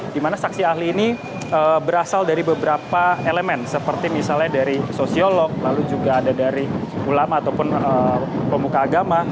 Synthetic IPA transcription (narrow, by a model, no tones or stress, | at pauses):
d̥imanasak̚siaɦliːni | əbəɾasaldaɾibəbəɾapaeləmɛnsəpərt̪imisalɲadaɾisosiolɔk̚lalud͡ʒuɡaːdadaɾiulamaːt̪awpʊnəpəmukaːɡama